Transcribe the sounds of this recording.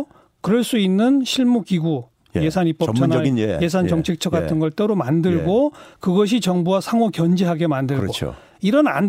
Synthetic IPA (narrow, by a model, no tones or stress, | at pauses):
kɯɾʌɭs͈uinːɯnɕʰiɭmukiɡu | jje̞sʰanip͈ʌt͡ɕʰʌnje̞s̬ʰant͡ɕʌŋt͡ɕʰek̚t͡ɕʰʌk͈atʰɯnɡʌɭt͈eɾomandɯɭɡokɯɡʌɕ̬ʰit͡ɕʌŋbuwasʰaŋokjʌnd͡ʑiɦaɡe̞mandɯɭɡoo̰ | iɾʌna̰nd